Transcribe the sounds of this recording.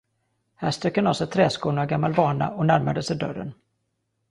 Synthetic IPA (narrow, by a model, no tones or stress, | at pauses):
hæːʂt̪ɾœkːənɔsɛt̪ʰɾɛːskuːnaɡamːalbɑːɳa̰ʔɔnæɾmad̪əsɛd̪œ̰rːə̰n